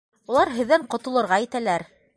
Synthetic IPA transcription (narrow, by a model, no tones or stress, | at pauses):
ulˠɑɾɦɘ̆ðːæɴqŏt̪ɤ̆lˠɤ̆ɾʁɑjit̪ælæɾ